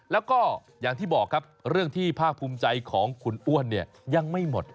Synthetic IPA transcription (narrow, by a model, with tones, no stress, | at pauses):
lɛː˦˥wkɔː˥˩ | jaː˨˩ŋt̪ʰiː˥˩bɔː˨˩kʰːa˦˥p̚ɾɯ˥˩əŋt̪ʰiː˥˩pʰaː˥˩k̚pʰuː˧mt͡ɕa˧jkʰɔː˩˦ŋkʰu˨˩nʔu˥˩ənːi˥˩ɐ | ja˧ŋma˥˩jmo˨˩t̪̚